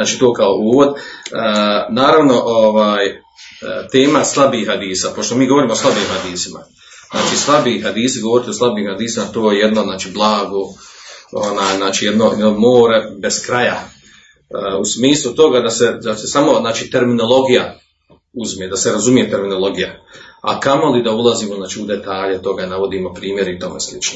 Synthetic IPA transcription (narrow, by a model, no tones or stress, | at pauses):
aːt͡ʃiːt̪oːkaoʔuːʋo̞d̪ənaːɾaʋno̞ʔoʋaːj | t̪e̞ːmaslˠabiːad̪iːsaːpoʃt̪o̞miːɡo̞ʋoɾiːmoslˠabiːmhad̪iːsima̰ | zna̰ːt͡ʃiːslˠabiːɦad̪iːsiɡo̞ʋoɾit̪io̞slabiːmhad̪iːsimat̪oːjejed̪no̞znaːt͡ʃiːblˠaːɡo | onaːjznaːt͡ʃiːje̞d̪no̞jed̪nomoːɾebe̞skɾaja | usmiːslˠut̪o̞ɡad̪ase̞d̪asesamo̞znaːt͡ʃiːt̪e̞ɾmino̞lˠo̞ɡija | uzmjed̪aseɾazumije̞t̪e̞ɾmino̞lˠo̞ɡijaa̰kamo̞lid̪aulˠaziːmoznaːt͡ʃiud̪e̞t̪aːʎet̪o̞ɡanaʋo̞d̪iːmo̞pɾiːmje̞ɾit̪o̞meslit͡ʃno